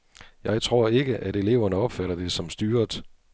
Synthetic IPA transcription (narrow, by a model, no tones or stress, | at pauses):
jɑ̈ɪt͡sʰʁo̝ɐe̝ɡ̥əʔæɾe̝le̝ʊɐnəɒ̽b̥fæɾɐd̥e̝sɒ̽msd̥yːɐd̥